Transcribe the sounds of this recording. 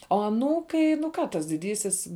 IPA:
oː ɐˈnuːkɐɪ nʊ ˈkɑː tɐs dʲɪˈdʲiːsʲɪs

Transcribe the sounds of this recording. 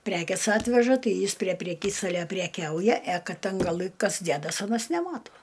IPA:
ˈpʲrʲæːkʲeːs ˈɑːtʲʋʲɛʒɐ ˈtɐɪ ˈjɪs pʲrʲiɛ pʲrʲɛˈkʲiːstɐlʲɛ pʲrʲɛˈkʲɛʊjɛ ɛ ˈkɐt ˈtʲɛn ɡɐˈlˠɨ ˈkɐs ˈdʲæːdɐs ˈɑːnɐs nʲɛˈmɑːtuɔ

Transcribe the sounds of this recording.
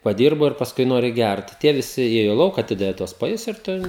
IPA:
pɐˈdʲiːrboː ɪr pɐsˈkʊɪ ˈnoːrʲɪ ˈɡʲært ˈtʲiɛ ʋʲɪˈsʲɪ ˈeːjoː ˈlˠɐʊk ɐˈtʲɪdɐʋʲɪ tuɔs pɐˈjʊs ɪr ˈtʊ

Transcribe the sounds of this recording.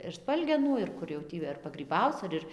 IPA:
ɪr ˈspɐlʲɡʲɛnuː ɪr ˈkʊr jɛʊ ˈtʲiː ɐr pɐɡrʲiːˈbɐʊt͡s ɐr ˈɪr

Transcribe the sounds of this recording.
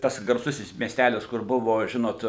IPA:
ˈtɐs ɡɐrˈsʊsʲɪs mʲiɛsʲˈtʲælʲɪs kʊr ˈbʊʋoː ˈʒʲɪnoːt

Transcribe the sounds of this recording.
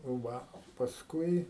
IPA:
ˈʋɐ pɐsˈkʊɪ

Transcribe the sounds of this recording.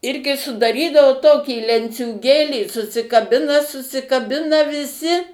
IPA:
ˈɪrʲɡʲɪ sʊdɐˈrʲiːdɐʋoː ˈtoːkʲiː lʲɛnʲt͡sʲuːˈɡʲeːlʲiː sʊsʲɪkɐˈbʲɪnɐ sʊsʲɪkɐˈbʲɪnɐ ʋʲɪˈsʲɪ

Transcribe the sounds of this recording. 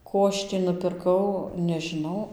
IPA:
ˈkoː ɐʃ tʲiː nʊpʲɪrˈkɐʊ nʲɛʒʲɪˈnɐʊ

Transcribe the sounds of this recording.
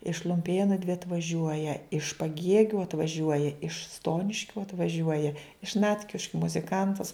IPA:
ɪʃ lˠʊmʲˈpʲeːnʊ dʲʋʲɪ ɐtʋɐˈʒʲuɔjɛ ɪʃ pɐˈɡʲiɛɡʲʊ ɐtʋɐˈʒʲuɔjɛ ɪʃ ˈstoːnʲɪʃʲkʲʊ ɐtʋɐˈʒʲuɔjɛ ɪʃ ˈnɑːtʲkʲɪʃʲkʲʊ mʊzʲɪˈkɐntɐs

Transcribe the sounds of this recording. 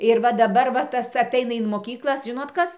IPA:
ɪr ˈʋɐ dɐˈbɐr ʋɐ ˈtɐs ɐˈtɐɪnɐ ɪn moːˈkʲiːklˠɐs ˈʒʲɪnoːt ˈkɐs

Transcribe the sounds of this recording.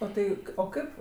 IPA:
oː ˈtɐɪ oː ˈkɐɪp

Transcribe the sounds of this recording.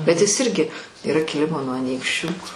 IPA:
bʲɛt ˈjɪs ˈɪrʲɡʲɪ iːˈrɐ kʲɪˈlʲɪmoː nuɔ ɐˈnʲiːkʃʲt͡ʃʲuː

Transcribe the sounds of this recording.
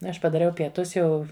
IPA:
ˈɐʃ pɐdɐˈrʲɛʊ pʲiɛˈtʊs ˈjɛʊ

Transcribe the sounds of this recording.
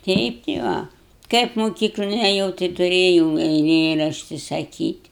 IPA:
ˈtʲɛɪp tʲɪ ˈʋɐ ˈkɐɪp moːˈkʲiːklˠoːn ɛˈjɛʊ tɐɪ tʊˈrʲeːjɛʊ ɛɪˈlʲeːrɐʃʲtʲɪ sɐˈkʲiːtʲ

